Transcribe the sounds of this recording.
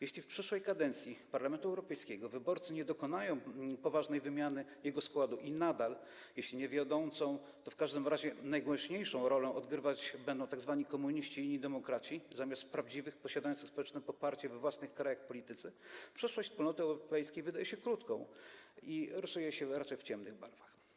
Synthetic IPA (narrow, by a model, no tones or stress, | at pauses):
jeɕlʲifpʂɘʂwɛjkad̪ɛnt̪sʲjipaɾlamɛnt̪uɛwɾɔpɛjskʲɛɡɔvɘbɔɾt̪sɨɲɛd̪ɔkɔn̪ajɔ̃w̃pɔvaʐnɛjvɘmʲjanɘjɛɡɔskwad̪uʔinad̪al | jeɕlʲiɲɛvʲjɔd̪ɔ̃w̃t̪sɔ̃w̃ | t̪ɔfkaʐd̪ɘmɾaʑɛnajɡwɛ̃ɕɲejʂɔ̃w̃ɾɔlɛ̃ɔd̪ɡɾɘvat͡ɕbɛnd̪ɔ̃w̃t̪aɡzvaɲikɔmuɲiɕt͡ɕiiɲɲid̪ɛmɔkɾat͡ɕizamʲjast̪pɾavd͡ʑivɘxpɔɕad̪ajɔnt̪xspɔwɛt͡ʂnɛpɔpaɾt͡ɕɛvɛvwasnɘxkɾajaxpɔlʲit̪ɘt̪sɘpʂɛʂwɔɕʲtspulnɔt̪ɘɛwɾɔpɛjskʲejvɘd̪ajɛɕɛkɾut̪kɔ̰̃w̃iɾɔsujɛɕɛɾat͡ʂɛjft͡ɕɛmnɘɣbaɾv̥ax